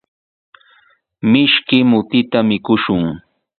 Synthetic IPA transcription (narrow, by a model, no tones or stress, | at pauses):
mɪʃkɪmʊt̪ɪt̪amɪkʊʃʊŋ